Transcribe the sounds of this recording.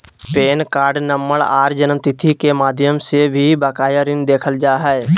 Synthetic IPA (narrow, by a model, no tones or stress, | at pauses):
peːnkaːɾɖnəmːəɽa̰ːɾd͡ʒənəmt̪ɪt̪ʰikemaːd̪ʱjəmsebʱibakaːjaɾɪnd̪eːkʰəld͡ʒaːɦɛɛ